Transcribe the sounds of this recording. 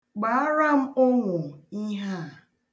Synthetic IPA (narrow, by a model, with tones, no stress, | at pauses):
ɡ͡ba˨˦a˦ɾa˦m̩˦ʊ˦ŋʷʊ˨i˦ɦa˦˨